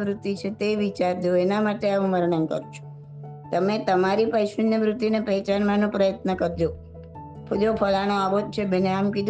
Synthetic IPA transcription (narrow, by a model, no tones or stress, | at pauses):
ʋɾʊt̪ːit͡ʃʰet̪eʋit͡ʃaɾd̪oenamaʈeaũməɾɳ̃ənkə̰ɾt͡ʃʰu̥ | t̪əmet̪əmaɾipəjʃənjəʋɾʊt̪ːinepɛt͡ʃanmanõpɾəjət̪nəkəɾd͡ʒo | pʰd͡ʒopʰəlañoabod̪̚t͡ʃʰebeneamkid̪